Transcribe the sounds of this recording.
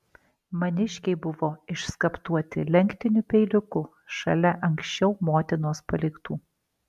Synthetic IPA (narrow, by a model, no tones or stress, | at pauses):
mɐnʲɪʃʲkʲɛɪbʊʋoːɪʃskɐpt̪uɔt̪ʲɪ̰lʲɛŋʲkt̪ʲɪnʲupʲɛɪlʲɪkʊ | ʃɐ̰lʲɛʔɐŋʲksʲt͡ʃʲɛʊmoːt̪ʲɪnoːspɐlʲɪkt̪uː